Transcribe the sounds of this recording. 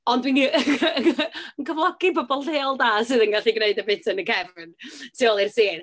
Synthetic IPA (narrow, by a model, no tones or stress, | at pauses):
ɔndwin | əŋkʰəvlˠɔɡ̥ibɔbɔlˠdeːɔlˠdaːsɨːðənɡaɬiɡneɨdəbɪtʰənəkʰɛvɪntʰiɔlˠirsiːn